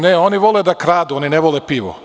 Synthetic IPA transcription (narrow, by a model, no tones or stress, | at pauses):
neoniʋoled̪akɾaːd̪uonineʋolˠepiːʋo̰